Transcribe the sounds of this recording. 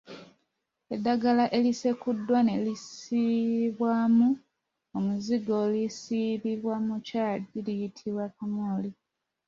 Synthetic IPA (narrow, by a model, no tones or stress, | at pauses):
e̞dːaɡalaʔe̞lise̞kudːwanelisiβwamu | omuziɡolisiβiβwamucaːlilijitʰiβwakamoːli